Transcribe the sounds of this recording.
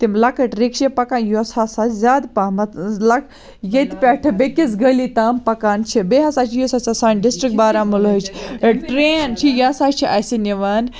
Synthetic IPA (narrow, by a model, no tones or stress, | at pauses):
t̪imlɐkɐʈɾekʃepɐkaːnjosaːsazʲaːd̪pamɐlɐk | jet̪ʲpʲɛːʈʰɨbekit͡sɡəlit̪aːmpɐkaːnt͡ʃʰibeɦɐsaːt͡ʃʰijosasasaːnɖisʈɾik̚ʈbaːɾamulət͡ʃʰʈɾeːnt͡ʃʰijasaːt͡ʃʰiʔɐsiniʋan